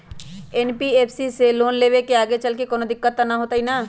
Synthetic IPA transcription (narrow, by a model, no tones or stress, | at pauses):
ɛːnpieːpʰsiseloːnleːʋekeaːɡet͡ʃɐlkekoːnõd̪ɪkːət̪ːanaɦoːt̪aɦinaː